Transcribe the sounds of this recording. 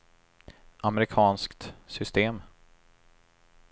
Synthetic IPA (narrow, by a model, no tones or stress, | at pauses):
ʔamɛɾɪkʰɑːnskt̪sʏst̪eːm